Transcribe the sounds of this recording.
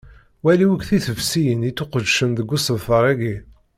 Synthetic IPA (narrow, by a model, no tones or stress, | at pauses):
wæliwəkθiθəvsijənit͡sːuqəd̪ʃənðəɡʷːusəvfəɾˤæɡi